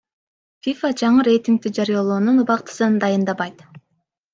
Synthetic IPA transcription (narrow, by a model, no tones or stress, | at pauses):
fʲifad͡ʒɑɴɯɾe̞jt̪ʲiŋk̚t̪id͡ʒɑɾijɑlˠoːnunuβɑqt̪ɯ̥sɯnd̪ɑjɯnd̪ɑβɑjt̪